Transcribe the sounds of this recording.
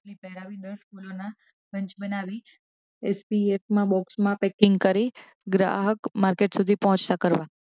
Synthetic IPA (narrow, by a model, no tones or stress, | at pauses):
lipɛɦɾaʋid̪əɾskulona | bəɲt͡ʃbənaʋi | espiefmãbɔksmãpɛkɪŋɡkəɾi | ɡɾa̰ɦəkmaɾkeʈsud̪ʱipəɦɔ̃t͡ʃt̪akəɾʋa